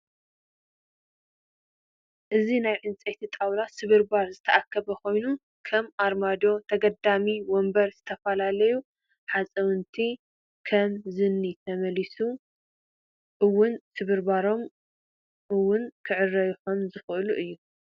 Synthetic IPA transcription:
ʔɨzinajʕɨnt͡sʼet̪ʰit̪ʼawlasɨβɨɾbaɾzɨt̪ʰɐʔakʰːɐβɐkʰo̞jnu | kʰɐmʔaɾmad̪o̞t̪ʰɐɡɐd̪amiwombɐɾz̥ɨt̪ʰɐfɐlalɐju | ħat͡sʼɐwɨnt̪ʰi | kʰɐmzɨnːit̪ʰɐmɐlisu | ʔɨwʊnsɨβɨɾbaɾo̞m | ʔɨwːʊnkʰɨʕɨrɐjħomzɨxɨʔɨluʔɨjːu

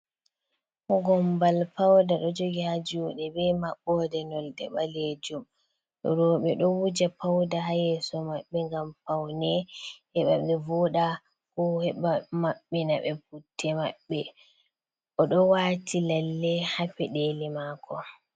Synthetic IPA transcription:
kɔɡɔmbalpawdaɗɔd͡ʒoɡihad͡ʒuɗɛbɛmaɓːɔdɛnɔldɛɓaled͡ʒum | ɔ̰ɾɔɓɛɗɔwud͡ʒapawdahajɛsɔmaɓːɛŋɡampawnɛhɛɓaɓɛvɔɗa | kɔhɛɓamaɓːɛnaɓɛputʰːɛmaɓːɛ | ʔɔɗɔwaːtʰilalːɛhapɛɗelɛmaːkʰɔ

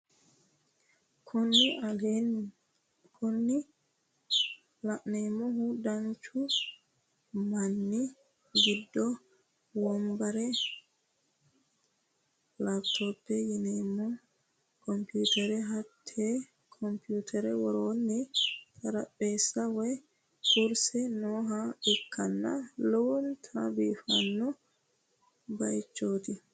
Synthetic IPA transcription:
konːian | kʰonːi | laʔnɛmɔhudant͡ʃu | manːi | ɡidːɔ | wɔmbaɾɛ | lapt̪ʰopːɛjɪneːmːɔ | kʰɔmpuːt̪ɛɾɛɦɐt̪ʰːeː | kʰɔmpjuːt̪ʰɛɾɛwɔɾoːnːɛt̪ʰɐɾɐpʼːeːsːɐwɛj | kʊɾsɛnoːɦaɪkʰːɐnːɐlɔwɔnt̪ʰabiːfɐ̰nːɔ | bɐjt͡ʃːoːt̪ɪ

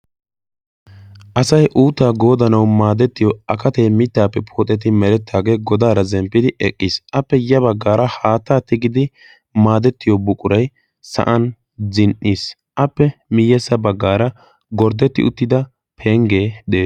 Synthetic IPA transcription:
ʔɐsɐjʔuːt̪ːaːɡo̞ːd̪ɐnɐwmaːd̪ɛt̪ːɪjɔɐkɐt̪ejmɪt̪ːaːpːɛpʰoːt̪ʼːɛt̪̬ɪmɛɾɛt̪ːaːɡe̞ːɡɔd̪aːɾɐzɛmpːɪd̪ɪɛkʼːɪsʔɐpːɛjɐbɐɡːaːɾɐhaːt̪ːaːt̪ːɪɡɪd̪ɪ | maːd̪ɛt̪ːɪjɔbʊkʼʊɾɐj | sɐ̰ʔɐn | zɪnʔːiːs | ʔɐpːɛmɪjːɛsːɐbɐɡːaːɾɐ | ɡɔɾd̪ɛt̪ːɪʊt̪ːɪd̪ɐ | pʰeŋɡe̞ːd̪eː

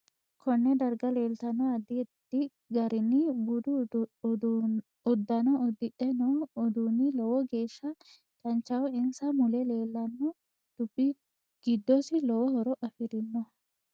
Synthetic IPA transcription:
kʰɔnːɛd̪ɐɾɡɐleːlt̪ɐnɔɐd̪ɪɛt̪ːɪ | ɡɐɾɪnɪbʊd̪ʊ | ɔd̪ːɐnɔɔd̪ɪɗɛnɔːd̪unɪlɔwɔɡe̞ːʃːɐ | t͡ʃʼɐnt͡ʃːɐwɔɪnsɐmʊlɛle̞ːlːɐnːɔ | d̪̥ʊbːɪ | ɡ̥ɪd̪ːɔsɪlɔwɔhɔɾɔʔɐfɪɾɪnːɔ

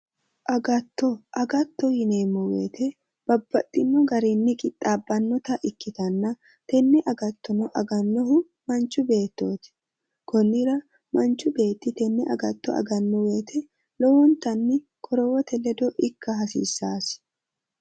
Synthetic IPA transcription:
ʔɐɡɐt̪ːɔʔɐɡɐt̪ːɔhɪneːmːɔwḛːt̪ʰɛ | b̥ɐbːɐt̪ʼːɪnːɔɡɐɾiːnːɪkʼɪt̪ʼːaːbːɐnːɔt̪ɐʔɪkːɪt̪ɐnːɐ | t̪ɛnːɛʔɐɡɐt̪ːɔnɔʔɐɡɐnːɔɦʊ | mɐnt͡ʃːʊbe̞ːt̪ːoːt̪ɪ̥ | kɔnːɪɾɐ | mɐnt͡ʃʊbe̞ːt̪ːɪt̪ɛnːɛʔɐ̰ɡɐt̪ːɔɐ̰ɡɐnːɔweːt̪ʰɛ | lɔwɔnt̪ɐnːɪ | kʰɔɾɔwɔt̪ʰɛlɛd̪ɔʔɪkːɐɦɐsḭːsːaːs

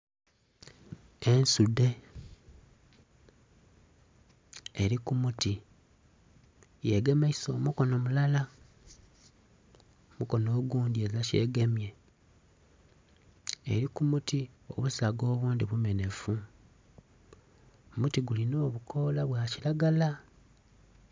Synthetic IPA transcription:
ensude̞ | ɾikumuti | jeɡe̞maiso̞muko̞no̞mulala | omuko̞no̞ːɡuːndie̞zace̞̰ːɡe̞mje̞ | ḛɾikumutio̞̰βusaɡo̞ːβuːndiβume̞ne̞fu | mutiɡulino̞ːβukʰo̞ːlaβwaːciɾaɡala

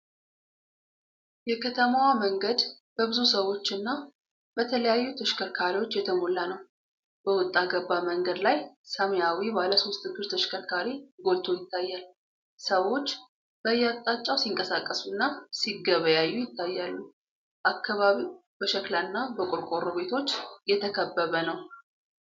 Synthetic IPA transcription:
jɛkʰət̪ʰəmawaməŋɡəd̪ | b̥əbɨzusəwo̞t͡ʃːɨnːa | b̥ət̪ʰələjajːut̪ʰəʃkʰəɾkʰaɾiwo̞t͡ʃːjɛt̪ʰəmolːanəw | b̥əwʊt̪ʼːaɡəbːaməŋɡəd̪lajsamjawibaləso̞st̪ʰɨɡɨɾt̪ʰəʃkʰəɾkʰaɾiɡo̞lt̪ʰo̞jɪt̪ʰːajːal | səwo̞t͡ʃː | b̥əjːat̪ʼːat͡ʃʼːawsiŋkʼəsakʼːəsunːasiɡəβəjajːujɪt̪ʰːajːalːu | ʔakʰːaβaβiw | b̥əʃəklanːabəkʼoɾkʼoɾoβe̞t̪ʰo̞t͡ʃːjɛt̪ʰəkʰəbːəβənəw

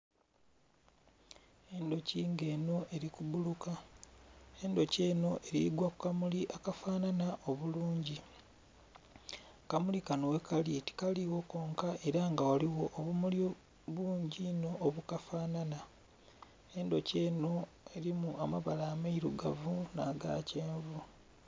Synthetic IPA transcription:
e̞ndo̞ciːŋɡe̞ːno̞ʔe̞ɾikuβuluka | e̞ndo̞ce̞ːno̞ʔe̞ɾḭɡwakukamuliʔakafaːnanaʔo̞βuluːɲɟi | kamulikanowekaliti̥kaliwo̞ko̞ːŋkaʔe̞ɾaŋɡawaliwo̞ʔːβumuli | βuːɲɟino̞ːβukafaːnana | e̞ndo̞ce̞ːno̞ | e̞ɾimuamaβalaːmaiɾuɡavunaːɡa̰ceːmβo

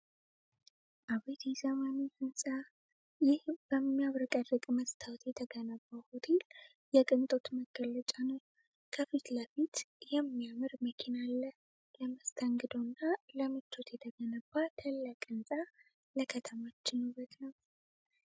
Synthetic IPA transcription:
ʔaβet̪ʰizəmanihɨnsʼa | jɪhb̥əmːijaβɾɨkʼərɨkʼməst̪ʰawt̪jɛt̪ʰəɡənəbːahot̪ʰel | jɛkʼɨnt̪ʼot̪məɡələt͡ʃʼanəw | kʰəfit̪ləfit̪jɛmːijamɨɾməkʰinalːə | ləməst̪ʰəŋɡɨd̪o̞nːaləmɨt͡ʃːo̞t̪jɛt̪ʰəɡənəbːat̪ʰəlːəkʼɨnsʼa | ləkʰət̪ʰəmat͡ʃːɪnuβət̪nəw

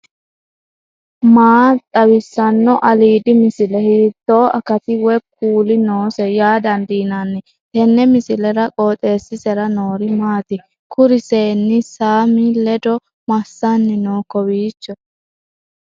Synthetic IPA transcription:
maːt̪ʼɐwɪsːɐnːɔʔɐliːd̪ɪmɪsɪlɛhiːt̪ːoːʔɐkɐt̪ɪwɛk̚ːuːlɪnoːsɛjaːd̪ɐnd̪iːnanːɪ | t̪ɛnːɛmɪsɪlɛɾɐkʼoːt̪ʼe̞ːsːɪsɛɾɐnoːɾɪmaːt̪ɪ | kʊɾɪseːnːɪsaːmɪlɛd̪ɔ | mɐsːanːɪnoːkɔwiːt͡ʃːɔ

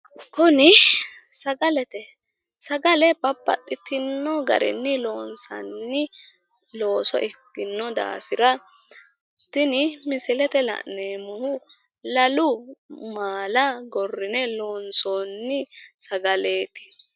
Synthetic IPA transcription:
kʊnɪ | sɐɡɐlɛt̪ɛ | sɐɡɐlɛbɐbːɐ̰t̪ʼːɪt̪ɪnːɔɡɐ̰ɾɪ̰nːɪloːnsɐ̰nːɪ | lo̞ːsɔ̰ʔɪɡɪnːɔd̪a̰ːfɪɾɐ | t̪ɪnɪmɪsɪlɛt̪ɛlɐ̰ʔneːmʊhʊ | lɐlʊmaːlɐɡɔrːɪnɛloːnsonːɪsɐɡɐle̞ːt̪ɪ̥

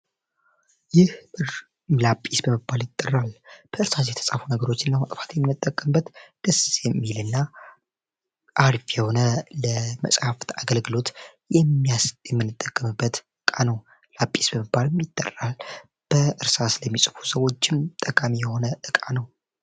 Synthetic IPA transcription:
jɪhɨ | lapʼːisbəmɨbːaljɪt̪ʼːərːalb̥əɨɾsasjɛt̪ʰə̥sʼafunəɡəɾo̞t͡ʃːɪnːəwt̪ʼɨfḁt̪jɛmːɨnːɨt̪ʼːəkʼːəmbət̪d̪̥əsjɛmːilɨnːa | ʔaɾfjɛho̞nələmə̰sʼhaft̪aɡəlɡɨlo̞t̪jɛmːijasjɛmːɨnːɨt̪ʼːəkʼːəmɨbːət̪ɨkʼanəw | lapʼːisbəmɨbːalmjɪt̪ʼːə̰ral | b̥əʔɨɾsasləmːisʼɨ̥fu̥səwo̞t͡ʃːɪmt̪ʼːəkʼamijɛho̞nəʔɨkʼanəw

